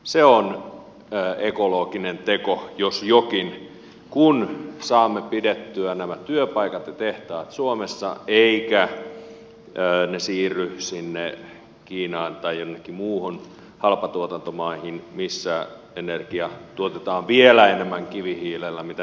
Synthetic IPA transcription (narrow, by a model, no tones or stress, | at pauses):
seonː | ekoloːkinent̪ekojosjokin | kunsɑːmːepidet̪ːyænæmæt̪yøpɑikɑt̪jɑt̪eht̪ɑːt̪suomesːɑ̰eikæ | nesiːrːysinːe | kiːnɑːnt̪ɑijjonːekːimuːhon | hɑlpɑt̪uot̪ɑnt̪omɑihinmisːæ | enerɡ̥iɑt̪uot̪et̪ɑːʋʋielæenemːæŋkiʋihiːlelːæmit̪æ